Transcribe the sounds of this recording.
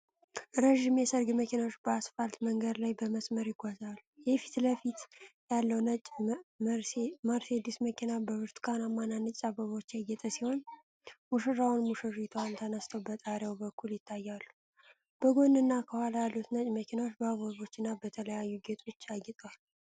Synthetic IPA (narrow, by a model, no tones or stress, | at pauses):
ɾəʒimjɛsəɾɡməkinawot͡ʃːbəasfalt̪məŋɡəd̪lajbəməsməɾjɪɡʷazalːujɛfi̥t̪ləfit̪jalːəwnət͡ʃʼmməɾsed̪isməkʰinabəwɨɾt̪kʰʼanamːananːɨt͡ʃʼsʼaβəβo̞t͡ʃːjaɡɛt̪ʼəsiho̞n | muʃɨrːawunmuʃɨrit̪ʰwant̪ʰənəst̪ʰəwbət̪ʼaɾjawbəkʰːuljɪt̪ʰːajːalːu | b̥əɡo̞nːɨnːakʰəwalajalːut̪nət͡ʃʼməkʰinawot͡ʃːbəaβoβo̞t͡ʃːɨnːabət̪ʰələjajːuɡet̪ʼo̞t͡ʃːaɡɛt̪ʼwal